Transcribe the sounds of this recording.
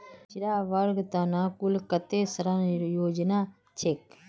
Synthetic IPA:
t͡ʃiɾaːʋaɾɡt̪aːnãːkulkɐt̪eːsɐɾanjoːd͡ʒnaː | t͡ʃʰek

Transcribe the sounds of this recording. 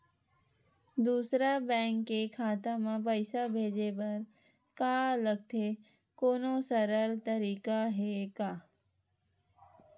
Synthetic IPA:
d̪uːsɾabɛ̃ːŋkːekʰaːt̪amãpəɪsabʱeːd͡ʒebɐɾ | kaːləɡ̚t̪ʰe | koːnõsəɾəlt̪əɾiːkaɦekaː

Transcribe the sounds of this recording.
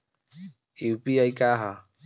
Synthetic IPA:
iupiajkaɦa

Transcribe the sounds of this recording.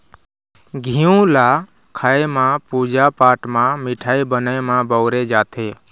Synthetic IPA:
ɡʱiũla | kʰaːemãpud͡ʒapaːʈmãmɪʈʰaːibənamãbəʊɾed͡ʒaːt̪ʰeː

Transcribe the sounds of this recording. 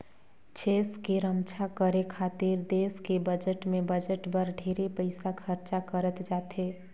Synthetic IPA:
t͡ʃʰeskeɾəmt͡ʃʰakəɾekʰat̪iɾd̪eskebəd͡ʒəʈmebəd͡ʒəʈbəɾɖʱeɾepəɪsakʰəɾt͡ʃakəɾət̪d͡ʒat̪e

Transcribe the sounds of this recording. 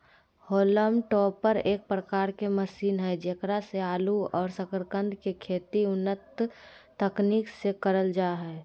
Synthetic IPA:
hoːləmʈɔːpːəɾeːk̚pɾəkaːɾkeməsiːnɦɛd͡ʒekɾaseaːluɔːɾsəkəɾkə̃nd̪ʱkekʰeːt̪iʊnːət̪ː | əkniːksekəɾəld͡ʒaːɦɛː

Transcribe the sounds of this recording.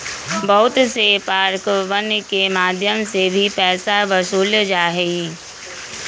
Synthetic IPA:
bɐɦʊt̪sepaːɾkʋənkemaːd̪ʱjəmsebʱipɛːsaʋəsuːld͡ʒaːɦɛi

